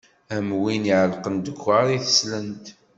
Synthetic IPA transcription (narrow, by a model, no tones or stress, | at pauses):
æmwiniʕəlqənd̪əkʷːaɾˤiθə̥slənt̪